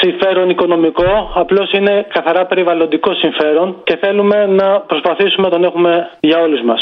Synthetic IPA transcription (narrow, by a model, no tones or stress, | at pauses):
siɱfe̞ɾo̞niko̞no̞miko̞ɐplo̞sine̞kɐθɐɾɐpe̞ɾivɐlo̞nd̪iko̞siɱfe̞ɾo̞nce̞θe̞lume̞nɐpɾo̞spɐθisumenɐt̪o̞ne̞xume̞ʝɐo̞luzmɐs